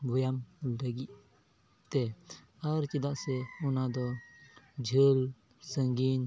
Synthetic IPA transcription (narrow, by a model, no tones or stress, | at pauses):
bʱɔjamɾaɡiʔ | t̪ɛ | aɾt͡ʃid̪aʔsɛɔnad̪ɔ | d͡ʒʱəl | səŋɡin